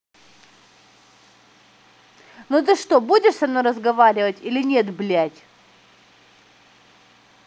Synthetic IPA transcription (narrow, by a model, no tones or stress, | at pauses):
not̪̬ɨʂt̪obudʲɪʂsɐnoɾəzɡɐvaɾʲɪvətʲilʲɪnʲet̪blʲætʲ